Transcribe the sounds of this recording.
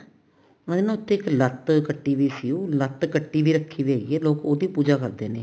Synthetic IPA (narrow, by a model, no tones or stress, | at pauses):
mə̃d̪iːnãːʊt̪ʰːẽːɪklət̪kəʈːiːʋiːsiːũːlət̪kəʈːiːʋiːɾəkʰːiːʋiaieːloːkoːd̪iːpuːd͡ʒaːkəɾd̪eːnḛː